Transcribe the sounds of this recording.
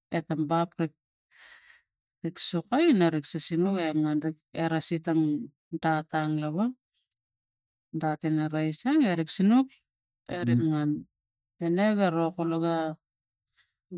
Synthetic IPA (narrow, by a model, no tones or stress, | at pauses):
etambapɾik̚ | ɾiksukajnaɾiksasinukeŋanɾikeɾasitaŋ | dataŋlaβa | datineɾajsaŋeɾiksinuk | eɾiŋan | eneɡaɾokoloɡa